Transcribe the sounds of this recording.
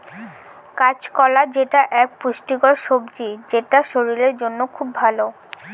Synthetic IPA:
kat͡ɕkɔlad͡ʑeʈaʔɛk̚puʃʈiɡɔɾʃobd͡ʑid͡ʑeʈaʃoɾiɾeɾd͡ʑonːokʰubʱalo

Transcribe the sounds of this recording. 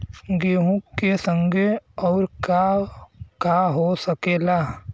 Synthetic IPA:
ɡeːɦũkːesə̃ŋɡeɔːɾka | kaɦosəkeːlaː

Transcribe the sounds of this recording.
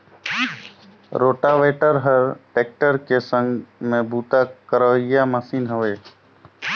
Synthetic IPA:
ɾoːʈaʋeːʈəɾɦəɾʈeːk̚ʈəɾkesə̃ŋɡmẽbʱuːt̪akəɾəːɪjaməsiːnɦəʋeː

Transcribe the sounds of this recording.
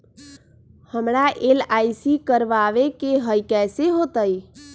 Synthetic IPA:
həmɾaʔelajsikəɾʋaʋekeɦəjkɛseɦot̪əj

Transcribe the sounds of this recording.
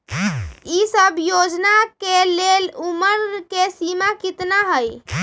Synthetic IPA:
isəbjod͡ʒnakeleluməɾkesimakit̪naɦəj

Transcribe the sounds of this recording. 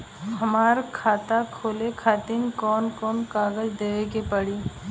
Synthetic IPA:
ɦɐmaːɾkʰaːt̪akʰoːlekʰaːt̪ɪmkɔːnkɔːnkaːɡəd͡ʒd̪eːʋekepəɽiː

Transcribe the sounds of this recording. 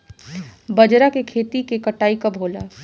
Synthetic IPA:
bɐd͡ʒɾakekʰeːt̪ikekɐʈaːikɐbʱoːla

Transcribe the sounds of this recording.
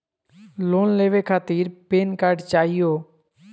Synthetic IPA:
loːnleːʋeːkʰaːt̪iːɾpeːnkaːɾɖt͡ʃaːɦɪjoː

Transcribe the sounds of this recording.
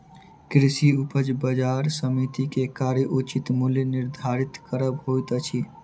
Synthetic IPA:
kɾɪsiupəd͡ʒbəd͡ʒaːɾsəmit̪ikekaːɾjəʔut͡ʃit̪muljənɪɾd̪ʱaːɾɪt̪kəɾəbɦojt̪ət͡ʃʰi

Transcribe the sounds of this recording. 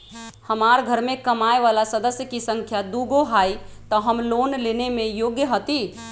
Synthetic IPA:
həmaːɾɡʱəɾmẽkəmaeʋalasəd̪əsjəkisə̃ŋkʰjad̪uɡoɦaːit̪ɔɦəmloːnlenemẽjoːɡjəɦət̪i

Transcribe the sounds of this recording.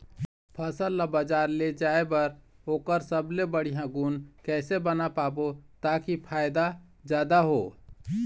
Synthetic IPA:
pʰəsəlːabəd͡ʒaːɾled͡ʒaːebəɾoːkəɾsəblebəɽijãɡunkɛːsebənapaːbot̪aːkipʰaːjd̪a | d͡ʒjaːd̪aɦoː

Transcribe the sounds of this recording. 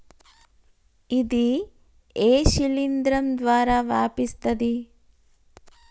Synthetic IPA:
id̪i | eːʃilind̪ɾɐmd̪ʋaːɾaʋaːpist̪ɐd̪i

